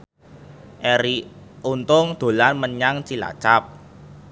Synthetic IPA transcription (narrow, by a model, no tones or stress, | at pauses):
ʔeɾiunt̪ʊŋd̪̥o̤lanməɲaŋt͡ʃila̰t͡ʃap̚